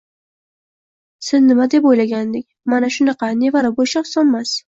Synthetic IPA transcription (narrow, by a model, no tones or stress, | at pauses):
sɪznɪmad̪e̞pojlaɡʲand̪ɪkʲmanaʃʊnɑqɑne̞vaɾɪbojʃḁsɒnmas